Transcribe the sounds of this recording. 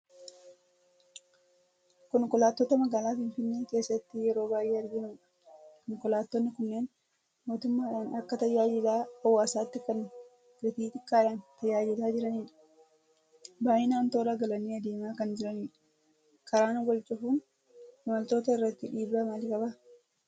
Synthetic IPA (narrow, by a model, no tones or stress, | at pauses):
kɔŋkɔlaːt̪ːoːt̪ɐmɐɡaːlaːfɪnfɪnːeːke̞ːsːɐt̪ːɪjɛɾo̞ːbaːʔeːɐɾɡɪnʊmᶑɐ̥ | kɔŋkʊlaːt̪ːɔnːɪkʊnːeːn | mo̞ːt̪ʊmːaːɪᶑaːnɐkːɐt̪ɐjːaːjɪd̪aːɐwːaːsaːt̪ːɪkɐn | ɛt̪iːt̪ɪkːaːᶑaːnt̪ɐjaːd͡ʒɪd̪aːd͡ʒɪɾɐniːᶑɐ̥ | baːʔɪnaːnt̪oːɾaɡɐlɐnːiːɐd̪eːmaːkɐnd͡ʒɪɾɐniːᶑɐ̥ | kɐɾaːnɡɔlt͡ʃʼʊfuːn | hɪmɐlt̪o̞ːt̪ɐɪrːɐt̪ːɪᶑiːbɾaːmaːlɪkʼɐba